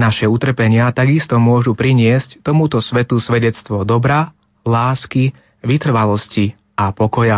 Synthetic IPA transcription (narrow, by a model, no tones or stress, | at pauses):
naʃɛut̪r̩pɛɲɪat̪aɡist̪ɔmʊɔʒupɾiɲɪɛsct̪ɔmut̪ɔsʋɛt̪usʋɛɟɛt͡st̪ʋɔd̪ɔbɾa | laːski | ʋit̪r̩ʋalɔsci | apɔkɔja